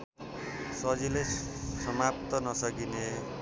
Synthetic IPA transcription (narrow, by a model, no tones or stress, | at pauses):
sʌd͡zilejsʌmap̚t̪ʌnʌsʌkine